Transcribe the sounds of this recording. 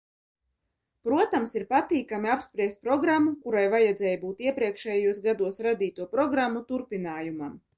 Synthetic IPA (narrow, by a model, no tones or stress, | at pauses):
pɾuɔt̪amsiɾpat̪iːkamiapspɾiɛst̪̚pɾɔɡɾamːukuɾajvajɛd̪zɛːjbuːt̪iɛpɾiɛkʃɛjjuɔsɡad̪uɔsɾad̪iːt̪uɔpɾɔɡɾamːut̪uɾpʲinaːjumam